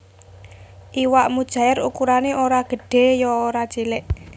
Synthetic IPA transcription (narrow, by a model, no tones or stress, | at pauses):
ʔiwaʔmud̥ʒ̥a̤ɪrukuɾaneoɾaɡ̥ə̤ɖ̥e̤jɔoɾḁt͡ʃilɪʔ